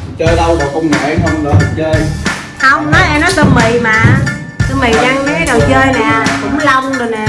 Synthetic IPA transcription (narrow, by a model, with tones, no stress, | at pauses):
t͡ɕəː˧jɗə˧wɔː˨˩kə˧wŋ͡ma˨ʔŋhə˧wŋ͡mləː˨˩tɨ˨˩t̚t͡ɕəː˧j | hə˧wŋ͡mnɔ˨˦jʔɛ˧nɔ˨˦jt̪ə˧mi˨˩˨maː˨˩ | t̪ə˧mi˨˩jɗaː˧ŋkaː˨˦˨jɗə˨˩wt͡ɕəː˧jnɛ˨˩kʊ̰˧˥ŋ͡mla˧wŋ͡mzo˨˩nɛ˨˩